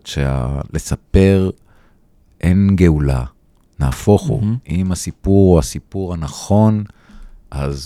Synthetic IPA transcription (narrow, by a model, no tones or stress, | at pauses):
ʃea̰le̞sape̞ʁ | ʔenɡe̞ula̰ | naːfo̞χo̰imasipuʁoasipuʁhanaχo̞n | ʔaz